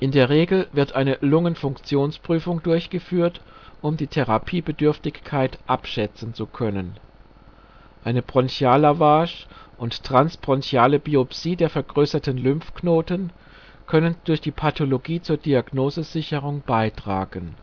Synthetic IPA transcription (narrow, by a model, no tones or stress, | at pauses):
ʔɪndeːɐʁeːɡl̩vɪɐtʔaɪnəlʊŋənfʊŋkt͡sjoːnspʁ̥yːfʊŋdʊɐçɡ̥əfyːɐtʔʊmdiːtʰeʁapʰiːbədʏɐftɪçkʰaɪtʔapʃɛt͡sn̩t͡sukʰœnən | ʔaɪnəbʁ̥ɔnçaːlavaːʃʔʊnttʁ̥ansbʁ̥ɔnçjaːləbiopsiːdeːɐfɛɐɡʁøːsɐtənlʏmfknoːtən | kʰœnənd̥ʊɐçd̥iːpʰatʰoloɡiːt͡suːɐdiaɡnoːzəzɪçəʁʊŋb̥aɪtʁ̥a̰ːɡ̥ən